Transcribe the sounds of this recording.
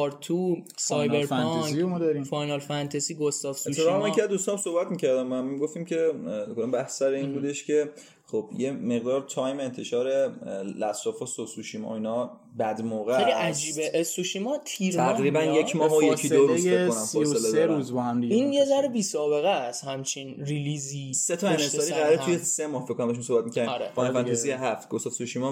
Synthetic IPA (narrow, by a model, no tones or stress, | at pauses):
ɒɾt̪ʰu | sɒjnbeɾfnɒŋimɔd̪ɒɾifɒjnɒlfænt̪ʰæziːɡost̪ɒfseut̪ʰːemekʰiæzd̪ust̪ɒmsohbæt̪miːcʰæɾd̪æmːæniɡo̞ft̪imcʰe̞kod̪ambæhsæɾeinbuːd̪eʃcʰe̞ | χob̥jemeɣd̪ɒːɾt̪ʰɒːjmeeːnt̪ʰe̞ʃɒːɾe̞læsɾɒːfɒːsosuʃimɒ̰inɒ | bæd̪moːɣeeliʔæd͡ʒiːbeʔesuʃimɒt̪ʰiɾʰæʁɾiːbænjekʰmɒːɦojekʰidd̪oɾuekːonæmfɒːoseled̪eɾuzbɒhæmd̪iinjezæɾebiːsɒːbe̞ɣæshæmt͡ʃʰinɾiliziset̪ʰɒænsɒɾiʁæɾet̪ʰujese̞mɒːhfekʰːonæmd̪ʃmumsobæt̪micʰæɾimɾeɔnefænt̪izijeɦæft̪ɡofsɒsuʃimɒ